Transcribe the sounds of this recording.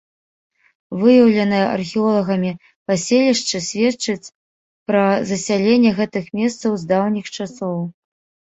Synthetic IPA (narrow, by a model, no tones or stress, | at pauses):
vɨjɐwlʲɛnɐjɛʔɐ̰rxʲiɔlˠɐɣɐmʲi | pasʲelʲiʂt͡ʂɨsʲvʲett͡ʂɨt͡sʲ | pɾɐzɐsʲalʲenʲːɛɣɛt̪ɨxmʲest̪sɐwzd̪awnʲixt͡ʂasɔw